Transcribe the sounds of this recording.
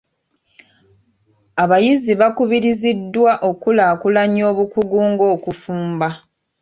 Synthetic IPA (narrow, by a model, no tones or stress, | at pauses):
aβajiziβakuβiɾizidːwaʔo̞kulaːkulaɲo̞ːβukuɡuːŋɡo̞ːkufuːmba